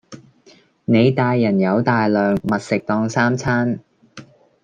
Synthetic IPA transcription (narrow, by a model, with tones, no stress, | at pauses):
ne˨˧jt̪aː˧jːɐ˨˩njɐ˨˧wt̪aː˨jlœː˨ŋmɐ˨t̚sɪ˨k̚t̪ɔː˧ŋsaː˥mt͡sʰaː˥n